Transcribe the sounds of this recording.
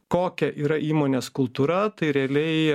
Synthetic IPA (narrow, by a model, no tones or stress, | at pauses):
koːkʲɛʔiːɾɐʔiːmoːnʲeːskʊlˠt̪uːɾɐt̪ɐɪɾʲɛɐlʲɛɪ